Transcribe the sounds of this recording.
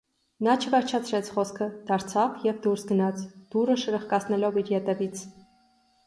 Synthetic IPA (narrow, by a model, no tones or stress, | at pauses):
nɑt͡ʃʰəvɛɾt͡ʃʰɑt͡sʰɾɛt͡sʰχɔskʰəd̪̥ɑɾt͡sʰɑvjɛvd̪uɾsɡənɑt͡sʰd̪̥urəʃəɾəχkɑt͡sʰnɛlɔviɾjɛt̪ɛvit͡sʰ